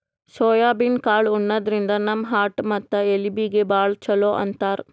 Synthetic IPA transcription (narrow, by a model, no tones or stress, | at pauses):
sɔːjaːbinkaːɭunːɐd̪ɐɾind̪ɐnɐmɦaːʈmɐt̪ːɐelibiɡebaːɭt͡ʃɐloːʔɐ̰nt̪aːɾ